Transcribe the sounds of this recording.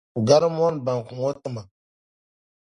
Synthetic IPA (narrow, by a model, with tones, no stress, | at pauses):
u˨ɡa˦ɾm˦o˦nba˨ŋ˨ku˨ŋo˦tu˦ma˨